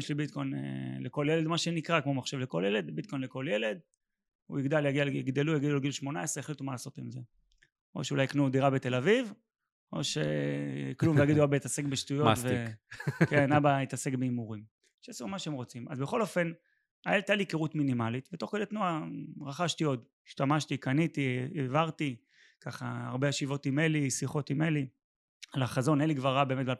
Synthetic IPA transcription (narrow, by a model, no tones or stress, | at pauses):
jeʃlibit̪̚ko̞jn̰leko̞ljeled̪maʃenikʁakmo̞maχʃevleko̞ljele̞d̪bit̪̚ko̞jnleko̞lje̞le̞d̪ | ṵiɡd̪aljaɡialiɡd̪elujaɡid̪ualɡilʃmo̞naesʁeelit̪umalaːso̞timze | o̞̰ʃeulajknud̪iʁabet̪e̞laviv | o̞̰ʃeklumvvejaɡid̪uabait̪asekbeʃtujotve | kenabait̪asekbeimuʁim | ʃeasumaʃeemʁo̞t͡sima̰zbeχo̞lo̞fe̞n | aelt̪alikeʁutminimalit̪betoχkodet̪nuaʁaχaʃtio̞d̪ | iʃt̪amaʃt̪ikanit̪ieevaʁt̪i | kaχa̰a̰ʁbe̞aʃivo̞t̪imelisiχo̞t̪imeli | alaχazo̞neliɡvaʁabe̞ːmet̚bal